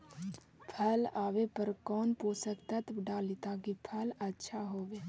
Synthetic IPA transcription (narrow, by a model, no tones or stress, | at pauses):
pʰɐlaːʋepəɾkɔːnpoːsəkt̪ət̪ɖaːlit̪akipʰələtːʃʰaɦoːʋeː